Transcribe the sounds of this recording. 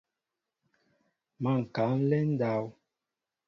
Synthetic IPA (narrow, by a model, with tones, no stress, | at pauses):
ma˦˨ŋ̩˨ka˨˦n̩˦lɛ˦n̩˦da˦w